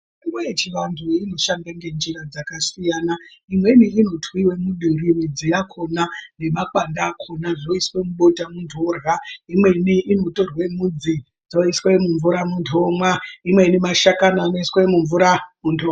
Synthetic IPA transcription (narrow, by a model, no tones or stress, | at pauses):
iŋɡwet͡ʃiʋantʰuino̞ʃandaŋɡe̞nd͡ʒiɾad͡zakasijaːnaimwe̞niino̞tʰwiwe̞muɗirinid͡zijakʰo̞nane̞makwandaːkʰo̞naʐoiswe̞muɓo̞tamundʰʱorɣaimwe̞niʔino̞to̞rwe̞mud͡zi | d͡zoiswemuɱvuɾamuntʰomwaimwe̞inimaʃakanaːnoiswemuɱvuɾamuntʰoa